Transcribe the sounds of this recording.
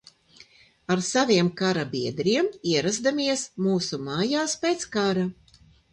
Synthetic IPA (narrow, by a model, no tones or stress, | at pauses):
aɾsavʲiɛmkaɾabʲiɛd̪ɾiɛmiɛɾazd̪amiɛsmuːsumaːjaːspeːt̪skaɾa